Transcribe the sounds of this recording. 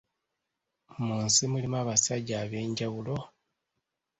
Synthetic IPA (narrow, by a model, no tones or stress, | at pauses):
muːnsimulimaβasaɟaːβe̞ːɲɟawulo̞